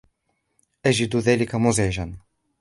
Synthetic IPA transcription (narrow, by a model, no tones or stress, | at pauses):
ʔaʒɪd̪ðaːlɪkamʊzaɪʒan